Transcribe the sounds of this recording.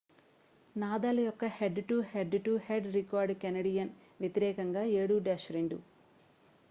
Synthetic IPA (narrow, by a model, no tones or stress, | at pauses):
naːd̪aːlɐjɔkːɐheɖʈuheɖʈuheɖɾikaːɾɖkɐnɐɽijɐn | ʋjet̪iɾɛːkɐŋɡaːeːɽuɖaːʃɐɾiɳɖu